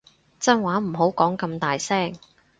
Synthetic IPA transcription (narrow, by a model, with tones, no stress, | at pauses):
t͡sɐ˥nwaː˨˥m̩˨˩ɦo˨˥wkɔː˨˥ŋkɐ˧mt̪aː˨jsɛː˥ŋ